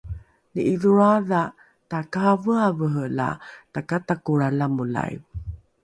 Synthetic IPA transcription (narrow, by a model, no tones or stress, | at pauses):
nəʔiðuɾaða | takavəavəɦəla̰takatakuɾalamula̰j̰v